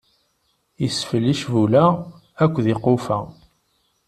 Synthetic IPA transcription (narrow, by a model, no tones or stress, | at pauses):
jəsfəlːiʃvulæ | ækʷːðɪqofæ̰